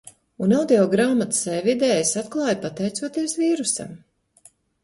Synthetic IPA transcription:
unawd̪iɔɡɾaːmat̪sɛjvid̪ɛːjisat̪klˠɑːjpat̪ɛjt̪suɔt̪iɛsviːɾusa̰m

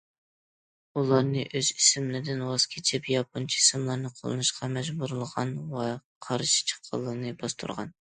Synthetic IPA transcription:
ulˠɑɾnɨʔøz̥isɪmlɪd̪ɪnwɑskʲʰit͡ʃʰɪpjɑp̚ʰunt͡ʃʰiisɪmlˠɑɾnɨqʰo̰lˠɨ̰nɨʃqʰɑmɛʒbuɾlˠəʁɑnwɛqʰɑɾɨʃi̥t͡ʃʰə̥qʰːɑ̰lˠːɨnɨbɑst̪ʰṵɾʁɑ̰n

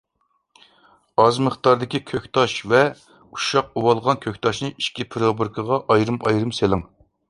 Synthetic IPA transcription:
ɑzməχt̪ɑɾd̪ɪkʲikʲʰøkʲt̪ʰɑʃvɛ | u̥ʃɑq̚uwɑlˠʁɑnkʲʰøkʲt̪ʰɑʃnɨiʃkʲipʰɾobɨɾkʰəʁɑʔɑjɾɨmʔɑjɾɨmselˠɨŋ

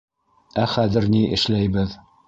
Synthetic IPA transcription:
æχæðɘ̆ɾniʔɘ̰̆ʃlæjbɘð

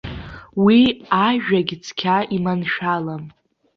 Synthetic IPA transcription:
wiaʒᶣaɡʲt͡sʰkʲʰaʔimanʃᶣalam

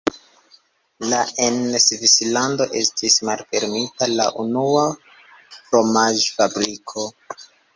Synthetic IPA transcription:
laensvislando̞ʔe̞stʰismalfe̞ɾmitala̰ʔunua | fɾo̞maʒfabɾikʰo̞

